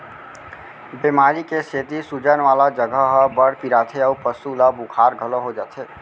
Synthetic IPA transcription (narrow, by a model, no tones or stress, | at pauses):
bemaːɾikeset̪isud͡ʒənʋaːlad͡ʒəɡʱəɦəbəɽpiɾat̪ʰeəupəsulabukʰaːɾɡʱəloɦod͡ʒat̪ʰe